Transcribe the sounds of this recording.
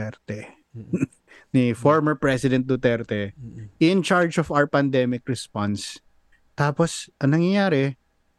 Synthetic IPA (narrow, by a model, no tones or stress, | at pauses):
ɛɾt̪ɛ | nifɔɹmɛɹpɹɛsɪd̪ɛnt̪̚d̪ʊt̪ɛɹt̪ɛʔɪnt͡ʃaɹd͡ʒɔfawɛɹpɐnd̪ɛmɪk̚ɹɛspans | t̪aːposʔɐŋnɐŋjɐjaːɾɛ